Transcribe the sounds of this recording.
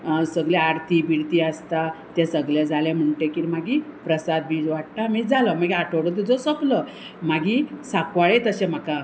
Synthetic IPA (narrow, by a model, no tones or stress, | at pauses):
səɡɭjɛaɾt̪ʰibiɽt̪iəst̪at̪ɛsəɡljad͡zalem̤əɳʈekiɾmaɡipɾəsad̪̚biʋaʈ̚t̪amid͡zʱaləmaɡiaʈʰoɽət̪̬ud͡zosoplə | maɡisakʋaɭet̪əɕẽm̤aka